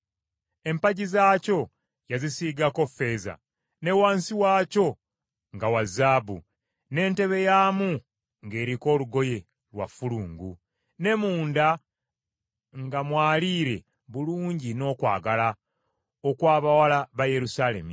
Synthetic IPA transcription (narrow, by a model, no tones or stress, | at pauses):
e̞mpaɟizaːco̞ | jazisiːɡako̞fe̞za̰ | ne̞waːnsiwaːco̞ | ŋɡawazaːbṵ | ne̞ːnte̞βe̞jaːmu | ŋɡe̞ːɾiko̞ːluɡo̞je̞ | lwa̰fːuluːŋɡu | ne̞muːnda | ŋɡamwaːliːɾe̞ | βuluːɲɟino̞ːkwa̰ːɡala | okwaːβawalaβaje̞ɾusale̞̰mi